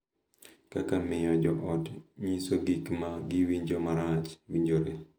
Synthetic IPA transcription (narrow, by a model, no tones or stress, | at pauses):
kakamɪjɔd͡ʒɔʔɔtɲisoɡikmaɡɪwiɲd͡ʒomaɾat͡ʃwiɲd͡ʒoɾe